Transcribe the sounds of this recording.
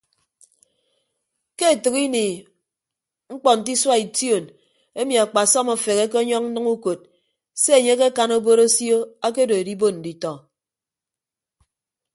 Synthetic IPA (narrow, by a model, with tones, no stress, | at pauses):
ke˦e˨tɨ˨ki˦ni˨ | ŋ͡m̩˦k͡pɔ˨n̩˨t̬i˦swa˦i˨tjo˨n | e˦mi˨a˨k͡pa˨sɔ˦mo˨fe˨ke˦k̬e˦ɔ˦ɲɔ˦ŋn̩˦nɨ˦ŋu˦ko˨t̚ | se˦e˨ɲe˦ke˦ka˦no˦bo˦ɾo˦sjo˦a˦ke˦do˨e˨di˦bo˦n̩˨di˨tɔ˨